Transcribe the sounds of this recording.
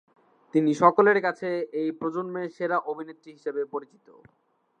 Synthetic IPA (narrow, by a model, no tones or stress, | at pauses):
t̪iniʃɔkoleɾkat͡ɕʰeejpɾod͡ʑonmeʃeɾaʔobʱinet̪ːɾiɦiʃebepoɾit͡ɕi̥t̪o̰